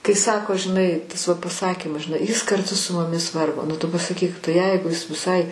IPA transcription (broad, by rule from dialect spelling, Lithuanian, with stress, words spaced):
kɐɪ ˈsɑːkoː ʒʲɪˈnɐɪ ˈtɐs ʋɐ pɐˈsɑːkʲiːmɐs ʒʲɪˈnɐɪ jɪs kɐrˈtʊ sʊ mʊˈmʲɪs ˈʋɐrɡoː nʊ ˈtʊ pɐsɐˈkʲiːk tɐɪ ˈjɛɪɡʊ ɪs ʋʲɪˈsɐɪ